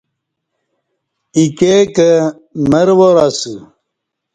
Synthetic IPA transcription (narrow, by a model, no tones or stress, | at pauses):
ikekə | məɾwoɾasu